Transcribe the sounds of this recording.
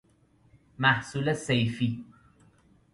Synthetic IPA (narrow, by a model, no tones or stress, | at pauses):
mæhsuːlesejfiː